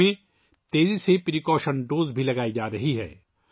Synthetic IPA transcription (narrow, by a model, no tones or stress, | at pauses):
ẽ | t̪eːzisepɪɾikɔːʃənɖoːzbʱilɐɡaːid͡ʒaːɾɐɦiɦɛ̰ː